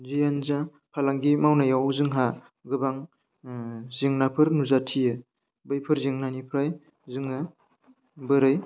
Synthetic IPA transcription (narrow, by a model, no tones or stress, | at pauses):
zijanza | pʰalaŋɡimawnajawzɯŋɦa | ɡɯbaŋ | zeŋnapʰɯɾnuzatʰijɯ | bɯjpʰɯɾzeŋnanipʰɾaj | zɯŋɯ | bɯɾɯj